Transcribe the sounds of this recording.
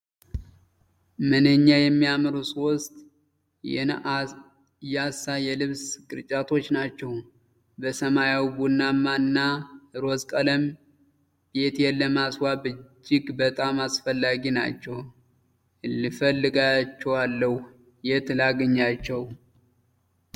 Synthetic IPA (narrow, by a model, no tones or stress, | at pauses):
mənəɲːajɛmːijamɨɾusɨwɔst̪ʼ | jasːajɛlɨβsɡɨɾt͡ʃʼat̪ʰo̞t͡ʃːnat͡ʃːɛw | bəsəmajawibunːamːanːaɾoskʼələm | b̥e̞t̪jɛlːəmaswabɨd͡ʒːɪɡbət̪ʼamasfəlːaɡina̰t͡ʃːɛw | lɨfəlːɨɡat͡ʃːɛwalːəh | jɛt̪laɡəɲːat͡ʃːɛw